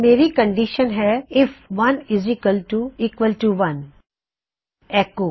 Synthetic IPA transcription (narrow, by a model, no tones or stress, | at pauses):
meːɾikə̃ɳɖɪʃə̃nɦɛɪfʋɐ̃nɪziːkwəlʈuiːkʋəlʈuʋɐ̃n | ɛko